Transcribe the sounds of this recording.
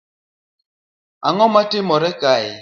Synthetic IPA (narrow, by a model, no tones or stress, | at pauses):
aŋɔmatemɔɾɛka